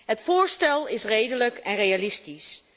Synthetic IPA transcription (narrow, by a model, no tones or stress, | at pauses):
ɦətfʊːɹstɛlˠɪsrejdələkɛnrejalɪstis